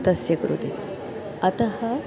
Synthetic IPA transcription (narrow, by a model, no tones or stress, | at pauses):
t̪ɐsjɐkɾṵt̪i | ɐt̪ɐhɐ